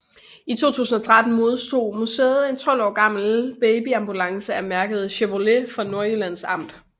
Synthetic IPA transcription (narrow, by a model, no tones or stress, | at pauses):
it͡sʰo̝̰ːt͡sʰṵːsn̩ɒ̽t͡sʰʁad̥n̩mo̝ð̞ˠsd̥o̝̰ːmusḛːð̩ˠe̝nt͡sʰɒ̽l̰ɒ̰ːɡ̥ɑ̈m̰l̩b̥eɪb̥iɑ̈mb̥ulɑ̈ŋsəæmæɐɡ̥əð̞̩ˠɕeʋo̝le̝fɒ̽no̝ɐylæn̰sɑ̈m̰d̥